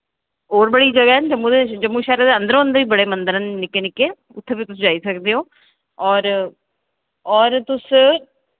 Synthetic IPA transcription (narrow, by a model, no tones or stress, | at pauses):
oːɾbəɽiːd͡ʒəɡaːɦɛnd͡ʒəmũːd̪ed͡ʒəmːũːʃɛːɾed̪eːə̃nd̪əɾõːənd̪əʋiːbəɽeːmənd̪əɾənːɪkːeːnɪkːeː | ʊt̪ʰːeːbiːt̪ʊsd͡ʒaːiːsəkd̪eːɦoː | ɔːɾ | ɔːɾt̪ʊs